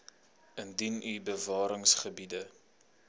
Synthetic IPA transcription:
əndinybəvɑːɾəŋsχəbidə

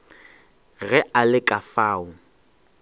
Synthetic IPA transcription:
ɣɛʔalɪkʼafaːʊ

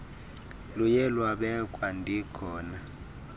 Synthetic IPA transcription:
lujɛlwaɓɛkʼwandʱikʰɔːna

